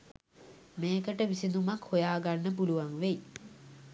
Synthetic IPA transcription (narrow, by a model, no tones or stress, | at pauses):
meːkəʈəʋisinumakhojaːɡanːəp̬uluʋaŋʋej